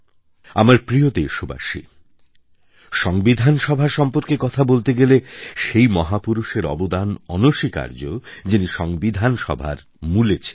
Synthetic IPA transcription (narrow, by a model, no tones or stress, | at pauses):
a̰maɾpɾiot̪eʃuba̰ʃḭ | ʃɔŋbid̪ʱanʃɔbʱaɾʃɔmpoɾkekɔt̪ʰabolt̪eɡeleʃejmɔɦapuɾuʃeɾɔ̰bod̪anɔnoʃika̰ɾd͡ʑod͡ʑiniʃɔŋbid̪ʱanʃɔ̰bʱa̰ɾ | mulet͡ɕʰe̥